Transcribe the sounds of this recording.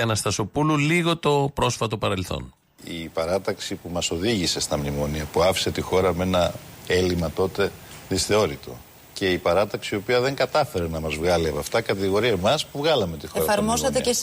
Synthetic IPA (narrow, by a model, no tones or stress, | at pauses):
ɐnɐst̪ɐso̞pululiɣo̞t̪o̞pɾo̞sfɐt̪opɐɾe̞lθo̞̰n | ipɐɾɐt̪ɐksipumɐso̞ðiʝise̞st̪ɐmnimo̞niɐpuɐfi̥se̞t̪ixo̞ɾɐme̞nɐe̞limɐt̪o̞t̪e̞ðisθeo̞ɾit̪o̞̰ | ce̞ipɐɾɐt̪ɐksiːo̞piɐðe̞ŋɡɐt̪ɐfe̞ɾenɐmɐzvɣɐliɐpɐft̪ɐkɐt̪iɣo̞ɾiɐmɐspuvɣɐlɐme̞t̪ixeoɾɐfɐɾmo̞sɐt̪eces